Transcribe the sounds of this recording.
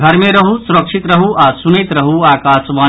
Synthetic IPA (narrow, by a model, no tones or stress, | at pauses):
ɡʱɐɾmẽɾɐɦusuɾɐkʂit̪ɾɐɦuʔaːsunet̪ɾɐɦuaːkaːsʋaː